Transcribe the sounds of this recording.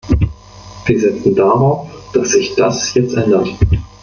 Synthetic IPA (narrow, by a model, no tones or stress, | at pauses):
v̥iːɐzɛt͡sn̩daʁaʊfd̥asz̥ɪçd̥asjɛt͡stʔɛndɐt